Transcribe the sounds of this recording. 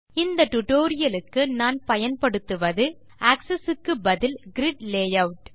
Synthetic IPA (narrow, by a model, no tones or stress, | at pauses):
ɪnd̪ɐʈʊʈoːɾɪjɐlɯkːɯnaːnpɐjɐnpɐɽɯt̪ːɯʋɐðɯ | ʔaːksɛsɯkːɯbɐðɪlɡɪɾɪɖleːjɐʋʈ